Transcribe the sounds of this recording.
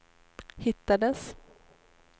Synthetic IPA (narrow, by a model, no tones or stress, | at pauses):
hɪt̪ːad̪əs